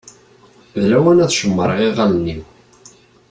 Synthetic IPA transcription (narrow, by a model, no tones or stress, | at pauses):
ðlæwænæθʃəmːəɾˤiʁalnːiw